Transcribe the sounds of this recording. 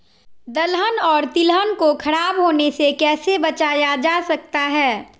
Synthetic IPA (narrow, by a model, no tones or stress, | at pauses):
d̪ɐlɦənɔːɾt̪ɪlɦənkokʰɐɾaːbɦoːnesekɛːsebɐt͡ʃaːjad͡ʒaːsɐk̚t̪aɦɛː